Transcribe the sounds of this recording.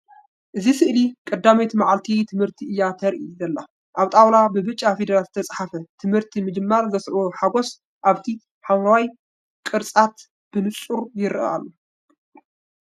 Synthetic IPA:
ʔɨzisɨʔlikʼɐd̪ːamet̪maʕalt̪ʰit̪ʰɨmhɨɾt̪ʰiʔɨjːat̪ʰɐɾʔizɐlːa | ʔaβt̪ʼawlabɨbɨt͡ʃʼːafed̪ɐɾalzɨt̪ʰɐt͡sʼħafɐt̪ʰɨmhɨɾt̪ʰimɨd͡ʒɨmːaɾzɐsʕoħaɡo̞s | ʔaβt̪ʰi | ħawawaj | kʼɨɾt͡sʼat̪ | b̥ɨnɨt͡sʼuɾjɪɾɨ̰ʔa̰lːo

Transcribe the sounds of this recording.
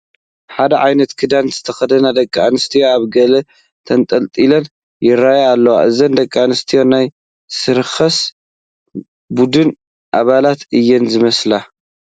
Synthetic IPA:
ħad̪ɐʕajnɐt̪kʰɨd̪anzɨt̪ʰɐxɐd̪ɐnad̪ɐkʼːanɨst̪ʰijoaβɡɐlɐ | t̪ʰɐnt̪ʼɐlt̪ʼilɐn | jɪɾajalːɐwa̰ʔɨzɐnd̪ɐkʼːanɨst̪ʰijo̞naj | sɨɾxɐs | bud̪ɨn | ʔaβalat̪ʔɨjːɛnzɨmɐsla

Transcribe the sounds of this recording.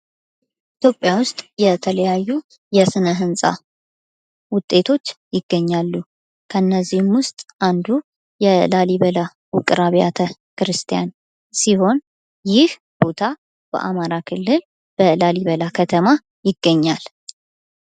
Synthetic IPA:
ʔʔit̪ʰjo̞pʼːjawʊst̪ʼjɛt̪ʰələjajːu | jɛsɨnəɦɨnsʼa̰ | wʊt̪ʼːe̞t̪ʰo̞t͡ʃːjɪɡːəɲːalːu | kʰənːəzːihmwʊst̪ʼʔand̪u | jɛlaliβəla | wʊkʼɨɾaβija̰t̪ʰəkɨɾɨst̪ʰijan | siho̞n | jɪh | b̥o̞t̪ʰa | b̥ə̰ʔa̰maɾakʰɨlːɨl | b̥əlaliβəlakʰət̪ʰəma | jɪɡːəɲːal

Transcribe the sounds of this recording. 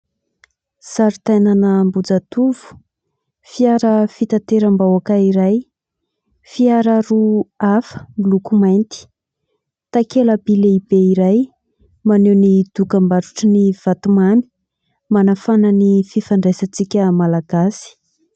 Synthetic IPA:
saɾit̪ajnanəmbud͡zat̪uv̥u̥ | fiaɾəfit̪at̪eɾambawakaiɾaj | fiaɾaɾuafə̥milukumajnt̪i̥ | t̪akeləbileibeiɾaj | manewnid̪̥ukambaɾuʈ͡ʂəniv̥at̪umani̥ | manafanənififaɳɖ͡ʐesət͡sikʲəmalaɡ̥asi̥

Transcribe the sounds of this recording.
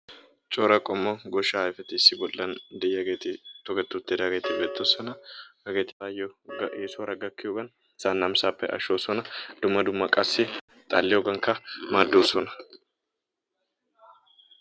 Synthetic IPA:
t͡ʃʼoːɾɐkʼɔmːɔɡɔʃɐjfɛt̪ɪsːɪbɔlːɐnd̪ɪjːɐɡeːt̪ɪt̪ɔɡɛt̪ːut̪ːeːd̪ɐɡeːt̪ɪbeːt̪ːosɐnɐɐɡet̪ɪfaːjɔʔeːsoːɾɐɡɐkːɪjoɡɐn | sanːɐmsaːpːɛ̰ʔɐ̰ʃoːsɔnɐd̪̥ʊmːɐd̪ʊmːɐkʼɐsɪ | t̪ʼa̰lːɪjɔɡɐŋkɐmad̪ːoːsɔnɐ̥

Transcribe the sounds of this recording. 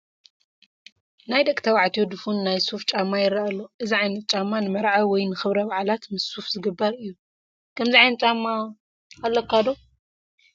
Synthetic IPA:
najd̪ɐkʼt̪ʰɐwaʕt̪ʰijod̪ɨfunːajsuft͡ʃʼamːajɪɾɐɐlːoʔɨziʕajnɐt̪̚ʼt͡ʃʼamːanɨmɐɾʕawɔjnɨxɨβɾɐβaʕalat̪mɨsːufzɨɡɨbːɐɾɨjːu | kʰɐmziʕajnɐtt͡ʃʼamːa | kɐlːɐkʰːad̪o

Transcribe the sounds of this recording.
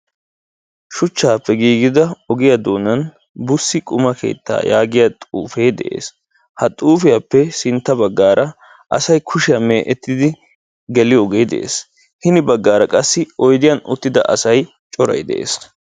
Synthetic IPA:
ʃʊt͡ʃːaːpːɛɡiːɡɪd̪ɐɔɡɪjɐd̪oːnɐn | bʊsːɪkʼʊmɐkʰe̞̰ːt̪ːa̰ːjaːɡɪjat̪ʼuːfe̞ːd̪ɛ̰ʔḛːs | hɐt̪ʼuːfɪjapːɛsɪnt̪ːɐbɐɡːaːɾʔɐ | ʔɐ̰sɐjkʰʊʃɪjɐmeːʔɛt̪ːɪd̪ɪ | ɡɛlɪjɔɡeːd̪ɛʔḛːs | hɪnɪbɐɡːaːɾɐkʼɐsːɪɔjd̪ɪjɐnʊ̰t̪ːɪd̪ɐ̰ʔɐ̰sɐj | t͡ʃʼɔɾɐ̰jd̪ɛ̰ʔḛːs

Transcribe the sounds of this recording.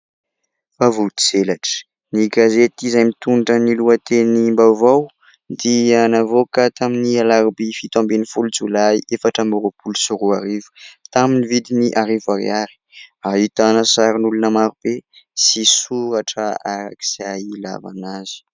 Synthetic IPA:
favud̪id͡zelaʈ͡ʂə̥ | niɡazet̪izajmit̪unʈ͡ʂəniluat̪enimbawvaw | d̪ianavokət̪aminialaɾubifit̪ɔ̃mbenifulut͡sulajefaʈ͡ʂəmoɾopulsuɾuaɾivu̥t̪aminivid̪iniʔaɾivaɾḭaɾi̥aɦit̪anəsaɾinulunəmaɾub̥e | sisuɾaʈ͡ʂəaɾa̰ki̥saila̰va̰nazi̥

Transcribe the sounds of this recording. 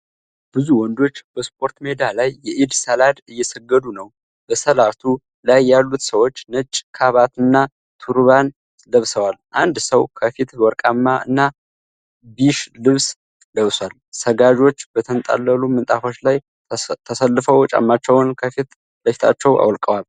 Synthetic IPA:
b̥ɨzuwɔnd̪o̞t͡ʃːb̥əspʰo̞ɾt̪me̞d̪alajːɛʔid̪səlad̪ɨjːɛsəɡːəd̪unəw | b̥əsəlat̪ʰu | lajːalːut̪səwo̞t͡ʃːnət͡ʃʼːkʰaβat̪ɨnːa | t̪ʰuɾβan | ləβsəwalʔand̪səwkʰəfit̪wɔɾkʼamːaɨ̰nːa | biʃlɨβs | ləβswalsəɡad͡ʒo̞t͡ʃːb̥ət̪ʰənt̪ʼa̰lːəlumɨnt̪ʼafo̞t͡ʃlaj | t̪ʰəsəlːɨfəwt͡ʃʼa̰mːat͡ʃːɛwnkʰəfit̪ | bəfi̥t̪ʰat͡ʃːɛwʔa̰wlkʼəwal

